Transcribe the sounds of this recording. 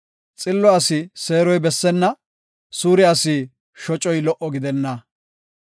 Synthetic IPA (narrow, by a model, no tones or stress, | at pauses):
t͡sʼɪlːɔɐsɪse̞ːɾɔjbɛsːɛnːɐ | suːɾɪɐsiː | ʃɔt͡ʃʼɔjlɔʔɔɡɪd̪ɛnːɐ